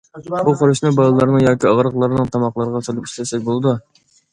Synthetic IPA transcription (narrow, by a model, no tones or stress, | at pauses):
buqoɾɨʃnɨbɑlˠɨlˠɑɾnɨŋjɑːkʲiɑʁɾəqlˠɑɾnɨŋt̪ʰɑmɑqlˠɑɾʁɑsolˠɨpi̥ʃʲlɛsɛk̚ʲbolˠɨd̪u